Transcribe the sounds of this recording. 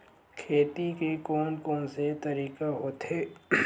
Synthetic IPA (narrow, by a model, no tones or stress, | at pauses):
kʰeːt̪ikekoːnkɔ̃ːnset̪ɐɾiːkaɦoːt̪ɦeː